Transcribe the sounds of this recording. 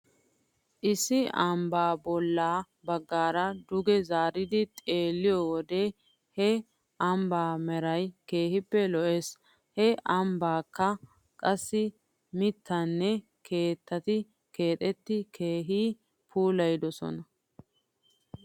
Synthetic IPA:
ʔɪsːɪɐmbaːbɔlːaː | bɐɡːaːɾɐd̪ʊɡɛzaːɾɪd̪ɪt̪ʼe̞ːlːɪjɔwɔd̪e | hɛ | ʔɐmbaːmɛɾɐjke̞ːhɪpːɛlɔʔes | hɛʔɐmbaːkːɐ | kʼɐsːɪ | mɪt̪ʰːɐnːɛ | kʰe̞ːt̪ːɐt̪ɪ | ke̞ːt̪ʼɛt̪ːɪkʰe̞ːɦiː | pʰuːlɐjd̪ɔsɔ̰nɐ

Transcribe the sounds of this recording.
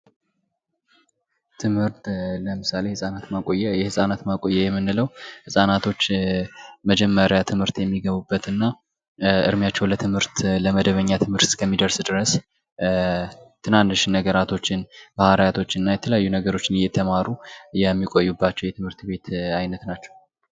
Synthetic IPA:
t̪ʰɨmhɨɾt̪ləmɨsale̞hɨsʼanat̪makʼo̞jːɛjɛhɨsʼanat̪makʼo̞jːɛjɛmːɨnːɨləwhɨsʼanat̪ʰo̞t͡ʃː | məd͡ʒɛmːəɾjat̪ʰɨmhɨɾt̪jɛmːiɡəβubːət̪ʰɨnːa | ʔɨɾmjat͡ʃːɛwlət̪ʰɨmhɨɾt̪ləməd̪əβəɲːat̪ʰɨmhɨɾt̪skʰəmːid̪əɾsd̪ɨɾəs | t̪ʰɨnanːɨʃɪnːəɡəɾat̪ʰo̞t͡ʃːɪnb̥ahaɾajat̪ʰo̞t͡ʃːɪnɨnːajɛt̪ʰələjajːunəɡəɾo̞t͡ʃːɪnjɛt̪ʰəmaɾujɛmːikʼo̞jːubːat͡ʃːɛwjɛt̪ʰɨmhɨɾt̪be̞t̪ajnət̪nat͡ʃːɛ̥w

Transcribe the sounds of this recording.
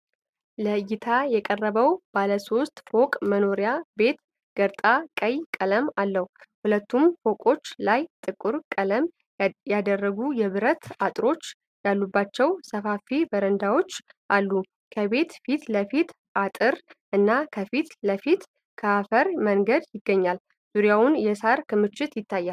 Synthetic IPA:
ləjɪt̪ʰajɛkʼərːəβəwbaləso̞st̪ʼfo̞kʼməno̞ɾjabe̞t̪ | ɡ̥əɾt̪ʼakʼəjkʼələmalːəhuhulət̪ʰːumfo̞kʼo̞t͡ʃːlajt̪ʼɨkʼːuɾkʼələm | jad̪ərːəɡujɛβɨɾət̪at̪ʼɾo̞t͡ʃː | jalːubːat͡ʃːɛwsəfafibəɾənd̪awo̞t͡ʃːʔalːu | kʰəβe̞t̪fit̪ləfit̪ | ʔat̪ʼɨɾʔɨnːakʰəfit̪ləfit̪ | kʰəafəɾməŋɡəd̪jɪɡːəɲːal | z̥uɾjawʊnjɛsaɾkʰɨmɨt͡ʃːɪt̪jɪt̪ʰːajːal

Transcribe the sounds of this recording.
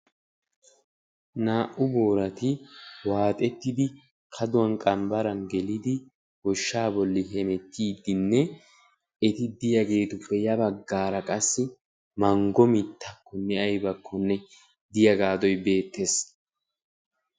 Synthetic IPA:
naːʔʊbo̞ːɾɐt̪ɪwaːt̪ʼɛt̪ːɪd̪ɪ | kʰɐd̪ʊwɐnkʼɐmbɐɾɐnɡɛlɪd̪ɪ | hɔʃːaːbɔlːɪɦɛmɛt̪ːiːd̪ːɪnːɛ | ɛt̪ɪd̪ɪjɐɡe̞ːt̪ʊpːɛjɐbɐɡːaːɾɐkʼɐsːɪ | mɐŋɡɔmɪt̪ʰːɐkːɔnːɛɐjbɐkʰːɔnːɛ | d̪ɪjɐɡaːd̪ɔjbe̞ːt̪ːes

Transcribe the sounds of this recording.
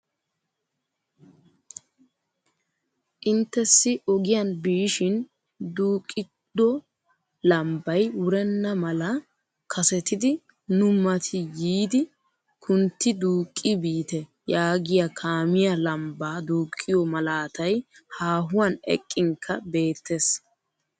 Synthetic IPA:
ʔɪnt̪ːɛsːɪʔɔɡɪjɐnbiːʃɪn | d̪uːkʼːɪ | d̪̥ːɔ | lɐmbɐjwʊɾɛnːɐmɐlɐ | kʰɐsɛt̪ɪd̪ɪ | nʊmɐt̪ʰɪjiːd̪ɪ | kʰʊnt̪ːɪd̪uːkʼːɪbiːt̪ɛ | jaːɡɪjakʰaːmɪjɐlɐmbaːd̪uːkʼːɪjɔmɐlaːt̪ɐj | haːɦʊwanɛ̰kʼːɪŋkʰːɐ̰be̞ːt̪ːes

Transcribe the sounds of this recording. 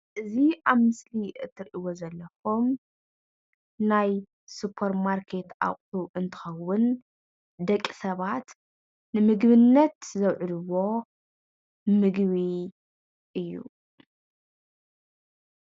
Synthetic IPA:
ʔɨziʔaβmɨsliʔɨt̪ʰːɨɾʔiwozɐlːɐxo̞m | naj | supʰːɐɾmaɾkʰe̞t̪ʔa̰χʼt̪ʰuʔɨnt̪ʰɨ̥xɐwʊn | d̪ɐkʼːi̥sɐβat̪ | nɨmɨɡβɨnːɐt̪zɐwʕud̪ɨwːo̞ | mɨɡβi | ʔɨjːṵ

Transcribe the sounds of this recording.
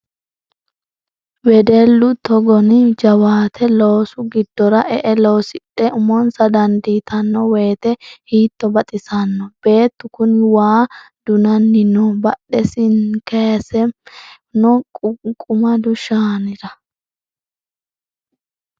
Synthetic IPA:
wɛd̪ɛlːʊt̪ɔɡɔnd͡ʒɐwaːt̪ʰɛloːsʊɡɪd̪ːɔɾɐʔɛʔɛloːsɪɗːɛʊmɔnsɐd̪ɐnd̪iːt̪ʰɐnːɔweːt̪ɛhiːt̪ːɔbɐt̪ʼɪsɐnːɔb̥e̞ːt̪ːʊkʊnwaː | d̪̥ʊnɐnːɪnɔbɐɗːɛsɪnkesɛ | nɔkʼʊmɐd̪ʊʃaːnɪɾɐ

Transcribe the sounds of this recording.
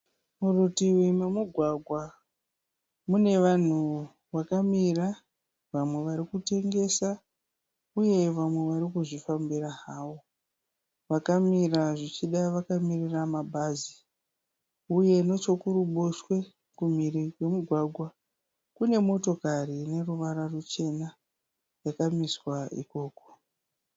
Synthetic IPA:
murutiwimemuɡʱwaɡʱwa | mune̞ʋan̤u | ʋakamira | ʋamweʋaɾikute̞ŋɡe̞sa | uje̞ʋamwe̞ʋaɾikuʐifambiraɦaːwo̞ | ʋakamiraʐit͡ʃiɗaʋakamiriramabʱazi | uje̞no̞t͡ʃo̞kuɾuɓoʃwe̞ | kumirikwe̞muɡʱwaɡʱwa | kune̞mo̞to̞karine̞ruʋaɾarut͡ʃe̞na | jakamiswaḭko̞ːko

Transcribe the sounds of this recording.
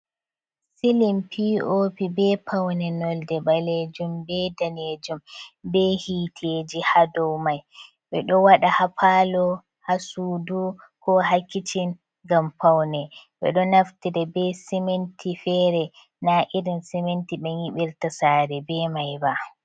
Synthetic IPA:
silimpʰiopibɛpʰawnɛnɔldɛbaled͡ʒumbɛdaned͡ʒumbɛhiːtʰed͡ʒihadɔwmaj | ɓɛɗɔwaɗahapʰaːlɔ | hasuːdu | kɔɦakːitin | ɡampawnɛɓɛ̰ɗɔnaftiɾɛbɛsimentʰifɛɾɛ | naʔiɾinsɛmentiɓɛniɓiɾtasaːɾɛbɛmajba

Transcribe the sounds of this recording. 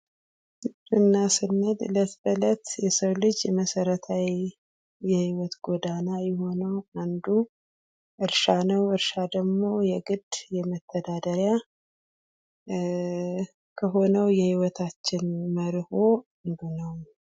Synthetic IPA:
ɡɨd̪ʼɨnːasɨnːəd̪ɨlət̪bələt̪jɛsəwlɨd͡ʒjɛməsəɾət̪ʰaw | jɛhiwɔt̪ɡod̪anajɛho̞nəwand̪u | ʔɨɾʃanəwɨɾʃad̪əɡmo̞jɛɡɨd̪jɛmət̪ʰːəd̪ad̪əɾja | kʰəɦo̞nəwjɛhiwɔt̪ʰat͡ʃːɪnməɾho | nd̪unəw

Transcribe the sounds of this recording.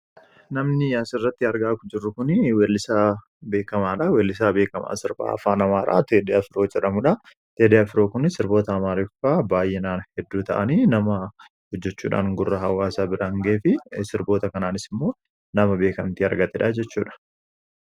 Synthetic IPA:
nɐmnɪjaːsɪrːɐt̪ːɪɐɾɡaʔːkʊd͡ʒɪrːʊkʊnwelːɪsaː | be̞ːkɐmaːᶑɐweɛlːɪsaːbe̞ːkɐma̰ːsɪɾba̰ːɐfaːnɐmaːɾa̰ːt̪eːd̪ɪafɪɾo̞ːd͡ʒɛᶑɐmʊᶑɐ | t̪eːd̪ɪjaːfɪɾo̞ːkʊnɪsɪɾbo̞ːt̪ɐːmaːɾɪfaːbaːjɛnaːnhɛd̪ːuːt̪ɐ̰ʔɐniːnɐmɐ | hɔd͡ʒːɛt͡ʃːṵːᶑa̰ːŋɡʊrːɐɦɐwaːsaːbɪɾaŋɡeːfɪsɪɾbo̞ːt̪ɐkɐnaːnɪsɪmːo̞ː | nɐmɐbe̞ːkɐmt̪iɐ̰ɾɡɐt̪ɛᶑaːd͡ʒɛt͡ʃːuːᶑɐ̥

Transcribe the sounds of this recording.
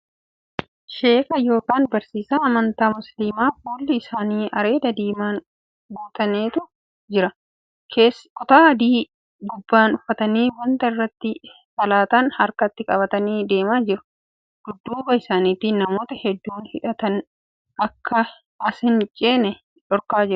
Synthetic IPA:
ʃe̞ːfɐjo̞ːkaːnbɐɾsiːsaːɐmɐnt̪aːmʊsliːmaːfuːlːɪɪsaːniːɐɾe̞ːd̪ɐd̪iːmaːn | ɡuːt̪ɐneːt̪ʊ | d͡ʒɪɾɐ | kʰe̞ːskʼʊt̪aːɐd̪iː | ɡʊbːaːnʊfːɐt̪ɐniːwɐnt̪ɐɪrːɐt̪ːɪ | sɐlaːt̪ɐnhɐɾkɐt̪ːɪkʼɐβɐt̪ɐniːd̪e̞ːmaːd͡ʒɪɾʊ̥ | ɡ̥ʊd̪ːuːbɐɪsaːniːt̪iːnːɐmo̞ːt̪ɐhɛd̪ːuːnhɪᶑɐt̪ɐn | ʔɐkʰːɐ | ɐsɪnt͡ʃʼeːnɛ | ᶑɔɾkaːd͡ʒɪɾʊ

